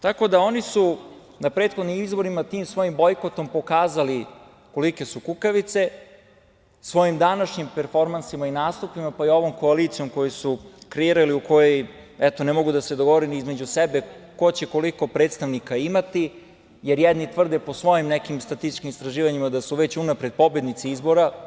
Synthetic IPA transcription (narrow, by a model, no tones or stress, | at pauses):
t̪ako̞d̪ao̞nisu | napɾeːt̪xo̞d̪nimizbo̞ɾimat̪iːmsʋo̞jimbo̞jko̞t̪o̞mpo̞kaːzali | ko̞like̞sukukaʋit̪se̞ | sʋo̞jimd̪anaʃɲimpeɾfo̞ɾmansimainaːst̪upimapaio̞ʋo̞mko̞aliːt̪sijo̞mko̞josukɾeiɾaliuko̞joj | ɛt̪o̞nemo̞ɡud̪ased̪oɡo̞ʋoɾeniizme̞d͡ʑusɛbeko̞t͡ɕeko̞liko̞pɾet̪st̪aʋnikaimat̪i | jeɾjɛd̪nit̪ʋr̩d̪epo̞sʋo̞jimnɛkimst̪ɾat̪ist̪i̥t͡ʃkimist̪ɾaʒiːʋaɲimad̪asuʋet͡ɕunapɾe̞d̪̥̚po̞bje̞d̪nit̪siizbo̞ɾa